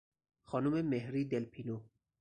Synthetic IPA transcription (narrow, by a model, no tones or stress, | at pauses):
xɒːnumemeɦɾiːd̪elpʰino